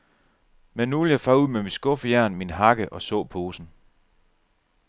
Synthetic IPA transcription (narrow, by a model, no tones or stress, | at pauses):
menːuʋel̩jɑ̈ɪfɑ̈ːuð̰ˠmemid̥sɡ̥ɔ̽fəjæɐ̰nminɦɑ̈ɡ̥əʔɒ̽sɔ̰̽ːpʰo̝ːsn̩